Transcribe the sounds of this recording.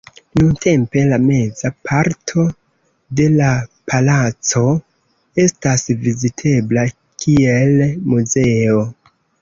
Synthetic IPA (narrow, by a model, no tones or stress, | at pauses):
nuntʰe̞mpe̞lame̞zapʰaɾtʰo̞ | de̞lapalat͡so̞ | e̞stasvizitʰe̞bla | kʰielmuze̞o